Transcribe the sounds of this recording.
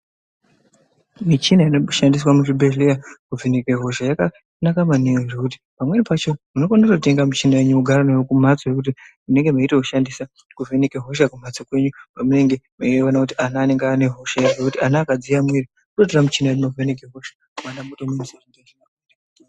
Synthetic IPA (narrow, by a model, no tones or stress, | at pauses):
mit͡ʃinaineʃandiswamuʃibʱelejakuvenekeɦo̞ʃajaka | nakamaneoʐekuti̥ | pamwe̞nipat͡ʃo̞muno̞kanatokute̞ŋɡamut͡ʃinaeɲuuɡʱaranaokumat͡sojekut̬imune̞ŋɡe̞maitekuʃandisa | kuvenekeɦo̞ʃ̬akumat͡sokwe̞ɲupamune̞ŋɡemaieʋonakutianaːne̞ŋɡaneɦo̞ʃajeʐekutianaːkad͡zijamweri | utot̬oramut͡ʃinaeɲumakuvenek̬eɦoʃḁ | mandamutomumusarindeʃinaati